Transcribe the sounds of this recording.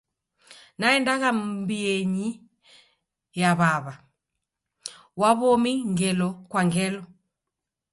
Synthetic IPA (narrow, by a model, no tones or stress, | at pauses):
naɛndakambiɛɲi | jaβaβa | waβɔmiŋɡɛlɔkwaŋɡɛlɔ